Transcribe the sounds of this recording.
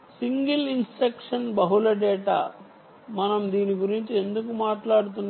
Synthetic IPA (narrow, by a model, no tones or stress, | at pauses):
siŋɡilinspekʂɐnbɐɦulɐɖɛːʈa̰ː | mɐnɐmd̪iːniɡuɾiɲt͡ʃie̞nd̪uk̬umaːʈlaːɽut̪̬unː